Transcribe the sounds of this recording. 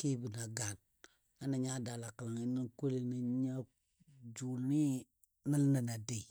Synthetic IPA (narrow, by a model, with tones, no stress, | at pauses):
ki˦bi˨na˨ɡa˨n | a˦na˨ɲa˦da˨la˨ka˨la˨ŋi˦ni˦ŋko˦li˦˨ni˦ɲa˦ | d͡ʒu˨lni˦ | na˦lna˨na˨de˨